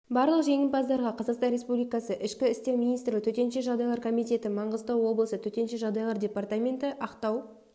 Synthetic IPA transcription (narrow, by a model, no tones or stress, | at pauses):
bɑɾlˠəqʒe̞ŋʲɪmpɑzd̪ɑɾʁɑqʰɑzɑqst̪ɑnɾʲe̞spublijkɑsəʔɪʃkʲɪɪst̪e̞ɾmʲinijst̪ɾlʲɪkt̪ʰɵt̪e̞nʃe̞ʒɑʁd̪ɑjlˠɑɾkʰomijt̪ʲe̞t̪ɪmɑɴʁəzt̪ɑwo̞blˠəsət̪ʰɵt̪e̞nʃe̞ʒɑʁd̪ɑjlˠɑɾdʲe̞part̪amʲe̞nt̪ɪʔɑqt̪ɑw